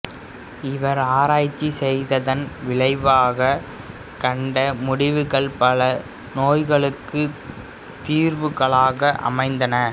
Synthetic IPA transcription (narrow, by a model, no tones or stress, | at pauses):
ɪʋɐɾaːɾaːjt͡ʃːisɛjðɐðɐnʋɪɭɐɪʋaːɣɐ | kɐɳɖɐmʊɽɪʋɯɣɐɭpɐɭɐ | noːjɣɐɭɯkːɯ | t̪iːɾʋɯɣɐɭaːɣɐʔɐ̰mɐɪnd̪ɐnɐ